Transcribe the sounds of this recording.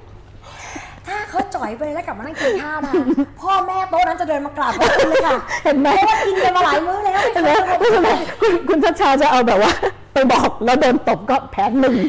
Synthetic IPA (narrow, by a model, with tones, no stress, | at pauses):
t̪ʰaː˥˩kʰa˦˥wt͡ɕɔ˨˩jpa˧jlɛ˦˥ka˨˩p̚ma˧˩na˥˩kʰiː˧k̪ʰaː˥˩a˥˧pʰɔː˥˩mɛː˥˩pʰɔ˦˥wa˥˩na˦˥nt͡ɕa˨˩dɤː˧nmaː˧kla˨˩p̚mː˧ka˨˩he˨˩˦nm˦˥˧a˥˩ki˧nka˧maː˧laː˨˦jmɯː˦˥ləː˧a˥˩e˨˧˦ma˦˥˧ɔ˥˩˧na˦˧˩kʰu˧nkʰu˧nsʰaː˥˩k̚t͡ɕʰaː˧t͡ɕa˨˩ʔa˧wbɛː˨˩p̚waː˥˩ | pa˧jbɔː˨˩k̚lɛː˦˥wdoː˧nt̪o˨˩p̚kɔː˥˩pʰɛː˦˥nːɯ˨˩ŋ